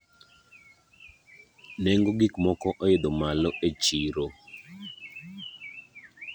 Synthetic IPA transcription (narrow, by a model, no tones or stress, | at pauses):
nɛŋɡoɡikmɔkɔʔɔjɪd̪omalɔʔet͡ʃiɾo